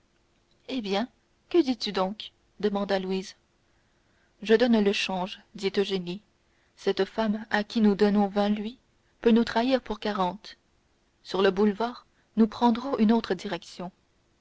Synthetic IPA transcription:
ebjɛ̃ | kəd̪it̪yd̪ɔ̃k | d̪əmɑ̃d̪alwiz | ʒəd̪ɔnləʃɑ̃ʒd̪it̪oʒeni | sɛt̪famakʲinud̪ɔnɔ̃vɛ̃lɥi | pønut̪χaiʁpuʁkaʁɑ̃t̪ | syʁləbulvaːʁ | nupχɑ̃d̪ʁɔ̃ʔynot̪χəd̪iʁɛksjɔ̃

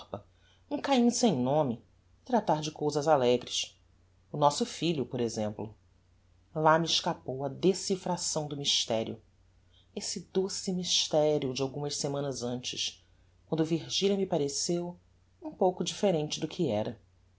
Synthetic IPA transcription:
pɐ | ũkaĩsẽj̃nõmɪ | t̪ɾat̪aɾd͡ʒɪkowzɐzalɛɡɾɪʃ | ʊnɔsʊfiʎʊpoɾezẽmplʊ | lamiɪʃkapowɐd̪esifɾasɐ̃w̃d̪ʊmiʃt̪ɛɾjʊ̰ | esɪd̪osimiʃt̪ɛɾiʊd͡ʒɪawɡũmɐʃsemɐ̃nɐzɐ̃nt͡ʃɪʃ | kwɐ̃nd̪ʊviɾʒiʎʲɐmipaɾesew | ũpowkʊd͡ʒifeɾẽnt͡ʃɪd̪ʊkʰiɛɾɐ

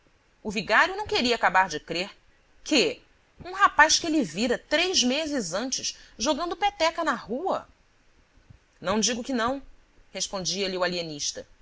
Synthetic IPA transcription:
ʊviɡaɾjʊnɐ̃w̃keɾiɐaːkabaɾd͡ʒɪkɾeɾ | kɪ | ũɦapajskɪelɪviɾɐt̪ɾejzmezɪzɐ̃nt͡ʃɪʃʒoɡɐ̃nd̪ʊpɛt̪ɛkɐnɐhuɐ̰ | nɐ̃w̃d͡ʒiɡʊkɪnɐ̃w̃hespõnd͡ʒiɐliualieniʃt̪ɐ

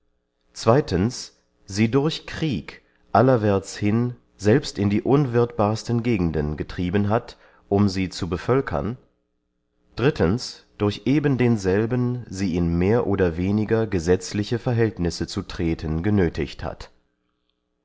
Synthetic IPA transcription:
t͡sv̥aɪtəns | z̥iːdʊɐçkʁ̥iːk | ʔalɐvɛɐt͡shɪn | zɛlpstɪndiːʔʊnvɪɐtb̥aːɐstən̩ɡeːɡŋ̩dənɡətʁ̥iːbənɦat | ʔʊmziːt͡subəfœlkʰɐ̰n | d̥ʁɪtʰənsd̥ʊɐçʔeːbəndeːnzɛlbənziːɪnmeːɐʔoːdɐveːnɪɡɐɡəzɛt͡slɪçəfɛɐɦɛltnɪsət͡sutʁ̥eːtʰənɡənøːtʰɪçtha̰t

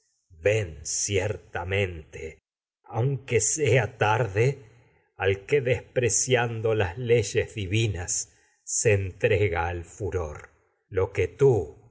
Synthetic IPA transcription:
βensjeɾt̪amẽ̞nt̪e | awŋkeseat̪aɾðe | alkeðespɾesjand̪o̞lasle̞ʒezðiβinasː | eːnt̪ɾeɣaːlfuɾo̞̰ɾ | lo̞ket̪u

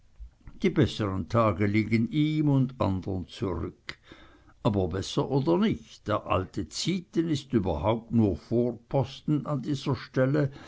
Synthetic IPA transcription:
d̥iːbɛsəʁəntʰaːɡəliːɡəniːmʊnda̰ndənt͡suʁʏk | ʔaːbɐbɛsɐʔoːdɐnɪçtd̥eːɐʔa̰ltət͡siːtənɪstyːbɐhaʊp̚tnuːɐfoːʁpʰɔstn̩andiːz̥ɐʃtɛlə

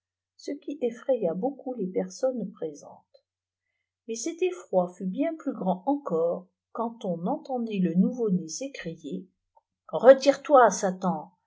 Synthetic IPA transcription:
səkʲiʔefχejabokulepɛʁsɔnpχezɑ̰̃t̪ | mesɛt̪efχwafybjɛ̃plyɡʁɑ̃ʔɑ̃kɔʁ | kɑ̃t̪ɔ̃nɑ̃t̪ɑ̃d̪ilənuvonesekχije | ʁət̪iʁt̪wasat̪ɑ̃

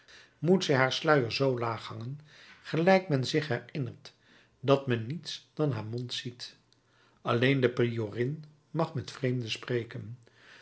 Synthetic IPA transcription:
mutsɛjɦaːɹslœɥəɹzowlaːχhɑŋən | χəlɛjkmɛnzɪχɦɛɹɪnəɹt | dɑtmɛnːitsd̥ɑnɦaːɹmɔntsit | ɑlejndəprioːrɪn | mɑχmɛtfrejmdəsprejkən

